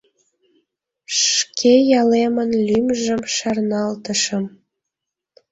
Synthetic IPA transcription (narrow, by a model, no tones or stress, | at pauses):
ʃkʰejɑlemənlʲymʒə̆mʃɑrnɑlt̪ə̆ʃə̆m